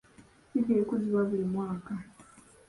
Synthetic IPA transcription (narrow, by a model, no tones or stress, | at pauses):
siɡeːkuziβaβiɾimwaːka